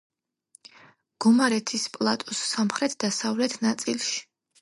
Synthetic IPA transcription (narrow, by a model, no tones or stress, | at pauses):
ɡ̥ɔmaɾɛt̪ʰispʼlˠat̪ʼɔsːamχɾɛt̪ʰd̪̥asavlɛt̪ʰnat̪sʼilˠʃi̥